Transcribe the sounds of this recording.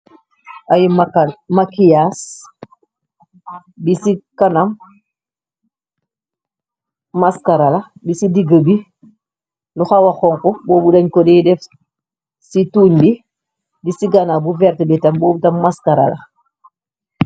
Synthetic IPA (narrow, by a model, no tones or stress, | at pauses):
ʔajimakamakijas | bisikanam | askaɾalabisidiɡəbi | luxawaxɔːŋkɔbɔːbudaɲkɔdɛdɛf | situːɲbi | bisiɡanabuvɛɾtbitambɔːbutamːaskaɾa̰la̰